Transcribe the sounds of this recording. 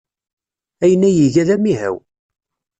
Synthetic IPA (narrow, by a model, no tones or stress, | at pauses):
æjənːæjiʝæðæmiɦæ̰w